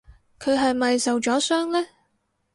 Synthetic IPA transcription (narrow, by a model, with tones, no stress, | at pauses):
kʰɵ˨˧ɥɦɐ˨jmɐ˨jsɐ˨wt͡ʃɔː˨˥sœː˥ŋlɛː˥